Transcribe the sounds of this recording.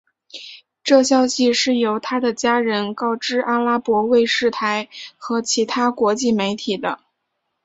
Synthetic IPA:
ʈ͡ʂɤ˥˩ɕjɑ˥ʊɕi˨ʂɻ̩˥˩jo˧˥ʊt̪ʰa˥d̪ə˨t͡ɕja˥ɻə˧˥nkɑ˥˩ʊʈ͡ʂɻ̩˥ʔa˥la˥pwɔ˧˥we˥˧ɪʂɻ̩˥˩t̪ʰa˧˥ɪxɤ˧˥t͡ɕʰi˧˥t̪ʰa˥kwɔ˧˥t͡ɕi˥˩me˧˥ɪt̪ʰi˨˩d̪ə˦

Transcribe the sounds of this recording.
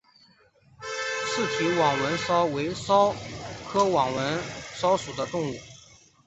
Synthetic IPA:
ʂɻ̩˥˩t͡ɕʰi˧˥wɑ˨˩ŋwə˧˥nsɑ˥ʊwe˧˥ɪsɑ˥ʊkʰɤ˥wɑ˨˩ŋwə˧˥nsɑ˥ʊʂu˨˩d̪ə˦t̪ʊ˥˧ŋu˥˩

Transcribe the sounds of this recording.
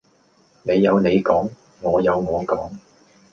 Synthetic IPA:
ne˨˧jːɐ˨˧wne˨˧jkɔː˨˥ŋ | ŋɔː˨˧jɐ˨˧wŋɔː˨˧ŋkɔː˨˥ŋ

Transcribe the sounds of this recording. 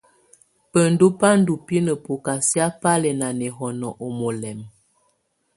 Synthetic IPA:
pə˨n˨du˦pa˦n̩˦du˨pi˦nə˨po˨ka˨sja˦pa˦lɛ˨na˨nɛ˨ɦɔ˨nɔ˨ʔo˨mo˨lɛ˨m

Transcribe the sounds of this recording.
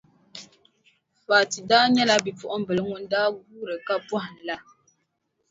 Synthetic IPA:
faː˨ti˨daː˦ɲɛ˦la˦bi˨pɔ˨ʔɔ˦m̩˦bɨ˨lŋu˦n˦daː˦ɡuː˦ɾɨ˨ka˦pwɔ˦ɨ˨n˨la˦

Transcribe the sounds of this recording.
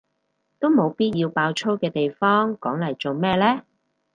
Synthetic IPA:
t̪o˥wmo˨˧wpiː˥t̚jiː˧wpaː˧wt͡ʃʰo˥wkɛː˧t̪e˨jfɔː˥ŋkɔ̰ː˨˥ŋlɐ˨˩jt͡so˨wmɛː˥lɛː˥

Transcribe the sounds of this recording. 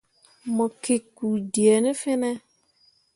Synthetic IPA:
mʊ˨kɪ˨ku˨di˨e˨nɪ˦fɪ˦nɛ˦

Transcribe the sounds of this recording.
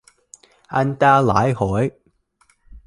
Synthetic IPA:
a˧nt̪aː˧laː˨˥jhɔː˨˥j

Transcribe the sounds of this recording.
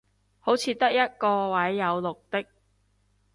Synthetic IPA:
ho˨˥wt͡sʰiː˨˧˥t̪ɐ˥k̚jɐ˥t̚kɔː˧wɐ˨˥jːɐ˨˧wlʊ˨k̚t̪ɪ˥k̚

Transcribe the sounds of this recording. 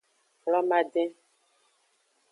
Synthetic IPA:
klɔ˦mã˦ɖɛ̃˦

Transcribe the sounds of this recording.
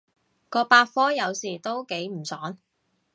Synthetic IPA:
kɔː˧paː˧t̚fɔː˥jɐ˨˧wsiː˨˩t̪o˥wke˨˥jm̩˨˩sɔː˨˥ŋ

